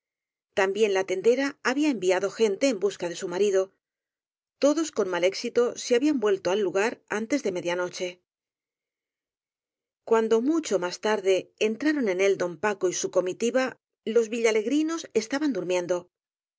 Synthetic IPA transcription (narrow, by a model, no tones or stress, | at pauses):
t̪ambje̞nlat̪e̞nd̪e̞ɾaːβiae̞mbiaðo̞xe̞nt̪e̞ːmbuskaðe̞sumaɾiðo̞ | t̪o̞ðo̞sko̞nmale̞ksit̪o̞seaβiambwe̞lt̪o̞alːuɣaɾant̪e̞zðe̞me̞ðjano̞t͡ʃe̞ | kwand̪o̞mut͡ʃo̞mast̪aɾðe̞ːnt̪ɾaɾo̞ne̞ne̞ld̪o̞mpako̞isuko̞mit̪iβa | lo̞zβiʎale̞ɣɾino̞se̞st̪aβand̪uɾmjẽ̞nd̪o̞